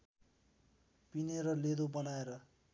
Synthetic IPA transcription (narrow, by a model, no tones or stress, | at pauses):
pineɾʌled̪obʌnaeɾʌ